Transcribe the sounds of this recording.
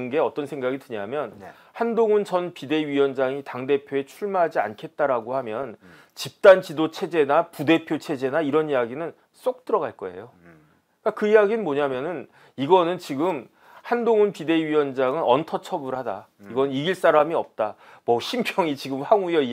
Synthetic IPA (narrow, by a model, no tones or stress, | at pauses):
nɡe̞ʌt͈ʌnsʰe̞ŋɡaɡitɯɲamjʌn | handoŋunt͡ɕʌnpide̞iɥiwʌnd͡ʑaŋitaŋde̞pʰjoe̞t͡ɕʰuɭmaɦad͡ʑia̰nkʰe̞t̚t͈aɾaɡohamjʌn | t͡ɕip̚t͈ant͡ɕidot͡ɕʰe̞d͡ʑe̞napude̞pʰjot͡ɕʰe̞d͡ʑe̞naiɾʌnijaɡinɯn | s͈ok̚t͈ɯɾʌɡaɭk͈ʌe̞̰jo | k͈akɯijaɡinɯnmoɲamjʌnɯn | iɡʌnɯnt͡ɕiɡɯm | handoŋunpide̞iɥiʌnd͡ʑaŋɯnʌntʰʌt͡ɕʰʌbɯɾhada̰ | iɡʌnɯniɡiɭs͈aɾamiʌp̚t͈a | mʌɕʰimpʰjʌŋit͡ɕiɡɯmɸaŋujʌi